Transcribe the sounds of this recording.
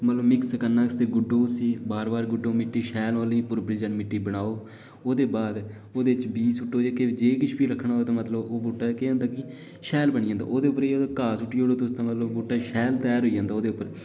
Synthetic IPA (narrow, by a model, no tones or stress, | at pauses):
mət̪ləbmɪkskəɾnaːst̪eːɡʊɖːoːsiːbaːɾbaːɾɡʊɖːoːmɪʈːiːʃɛːlaːlĩːpʊɾbɾɪd͡ʒənmɪʈːiːbəɽ̃aːoː | oːd̪eːbaːd̪ | oːd̪eːɪt͡ʃbiːsʊʈːoːd͡ʒeːked͡ʒeːkɪt͡ʃʰbiːɾəkʰːɳaːɦoːt̪ãːmət̪ləboːbuːʈːaːkeãːnd̪aːkɪ | ʃɛːlbəɽ̃ĩːãnd̪a̰ːʔoːd̪eːʊpːəɾeokaːsʊʈːiːɦoːɽoːt̪ost̪ãːmət̪ləbbuːʈaːʃɛːlt̪ɛːɾoːiːd͡ʒãːnd̪aːoːd̪eːʊpːəɾ